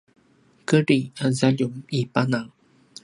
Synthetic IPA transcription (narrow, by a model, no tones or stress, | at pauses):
kəɾiazaʎumipanaŋ